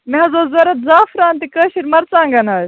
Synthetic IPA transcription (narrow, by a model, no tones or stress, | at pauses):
meɦɐzoːzɐɾɐt̪̚zaːfɾaːnt̪ikəːʃiɾmɐɾt͡saːŋɡɐnaːj